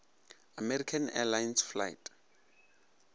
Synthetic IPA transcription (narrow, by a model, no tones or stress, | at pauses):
amɛrikʰanɛ̰lajnsfla̰jtʰʼ